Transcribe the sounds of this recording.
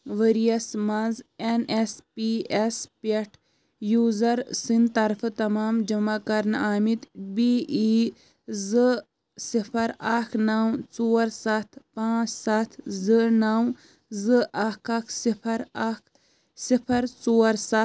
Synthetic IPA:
ʋəɾijɐsmɐzenespiːespeʈʰ | juːzɐɾsint̪ɐɾfʰɨt̪ɐmaːmd͡ʒɐmakɐɾnaːmit̪biːi | zɨ | sipʰɐɾaːkʰnawt͡soːɾsat̪ʰpãːt͡ssat̪ʰzɨnaw | zɨaːkʰakʰsipʰɐɾakʰ | sipʰɐɾt͡soːɾsa

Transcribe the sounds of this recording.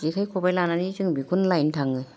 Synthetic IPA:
zikʰajkʰɔbajlananizɯŋbikʰunlajntʰaŋɯ

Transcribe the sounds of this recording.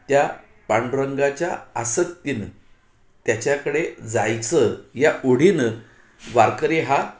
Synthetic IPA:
t̪ja | paɳɖɾəŋɡat͡ɕja̰əsəkt̪iːn | t̪jat͡ɕjakəɽed͡zajt͡səɦjaʔoɽ̤in | ʋaɾkəɾiɦa

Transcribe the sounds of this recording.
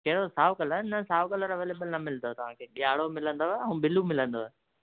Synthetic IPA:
kɐɦɪɽosaːʋkɐləɪnəsaːʋkələɾɐʋeːleːbəlnɐmɪld̪ot̪ɐʋ̤ãːkʰeːɓiaːɽomɪlə̃nd̪oːɦeɛ̃ːɓɪlumɪlə̃nd̪oːɦe

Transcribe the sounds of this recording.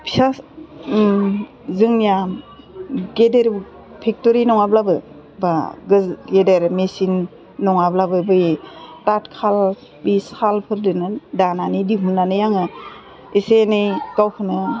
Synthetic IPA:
pʰi̥sa | zɯŋnija | ɡedeɾ | pʰik̚toɾinɔŋablabɯ | baɡɯɡedeɾmesinː | ɔŋablabɯbɯjtatkʰal | bisalpʰɯɾdɯnɯdananidiɦunːanɯjaŋɯ | esenɯjkawkʰɯnɯ

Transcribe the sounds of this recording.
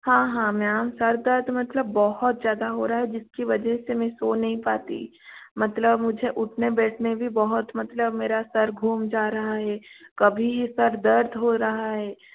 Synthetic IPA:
hãːɦãːmɛ̃aːmsɐɾd̪əɾd̪ʱmɐt̪ləbːɔɦʊt̪zjaːd̪aɦoːɾɐɦaɦɛd͡ʒɪskiʋɐd͡ʒɛsemɛ̃soːnɐɦĩpa̰ːt̪ḭ | mɐt̪ləbmʊd͡ʒʱeʔʊʈʰnebɛːʈʰnebʱibɐɦʊt̪mɐt̪ləbmeːɾasɐɾɡʱuːmd͡ʒaːɾɐɦaɦɛːkɐbʱijesɐɾd̪ɐɾd̪ʱɦoɾɐɦaɦɛː

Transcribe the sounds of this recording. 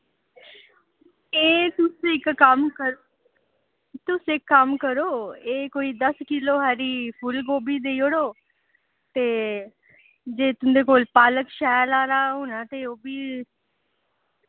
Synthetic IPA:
eːt̪ʊsɪkːəmkəɾ | t̪ʊsɪkːəmkəɾoːeːkoːiːd̪əskɪloːɦɛːɾiːpʰʊlɡoːbiːd̪eioɽoː | t̪eː | d͡ʒeːt̪ʊnd̪eːkoːlpaːləkʃɛːlaːɾaːɦʊnãːt̪eːoːbiː

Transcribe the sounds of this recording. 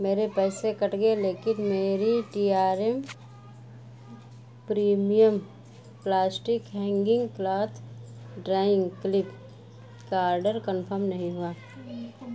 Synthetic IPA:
meːɾepɛːsekəʈɡeleːkɪnmeːɾiʈiːaːɾem | pɾiːmijəm | plaːsʈɪkɦɛ̃ːŋɡɪ̃ŋɡklaːt̪ | ɖɾaːɪ̃ŋɡklɪp | kaːɾɖəɾkənpʰəɾmnɐɦĩɦuaː

